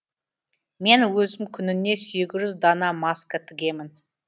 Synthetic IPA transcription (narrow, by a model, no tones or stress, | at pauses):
me̞nwɵzɪmkʲʰʏnɪne̞seɡʲɪʒʏzd̪ɑnɑmɑskət̪ʰɪɡʲe̞mɪn